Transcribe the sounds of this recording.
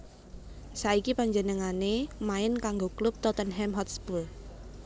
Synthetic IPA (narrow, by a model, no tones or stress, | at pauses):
saikipaɲd͡ʒənəŋanemaɪnkaŋɡoklʊp̚t̪ɔt̪ənɦɛmɦɔt̪spul